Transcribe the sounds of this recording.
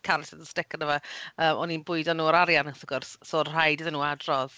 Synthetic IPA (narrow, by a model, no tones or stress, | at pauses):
kʰaɾɛsɪðənstɪkənəvaəːmʔɔninbʊɨdanuːɔɾaɾjansəɡɔrssorr̥ajdɪðənuːadrɔð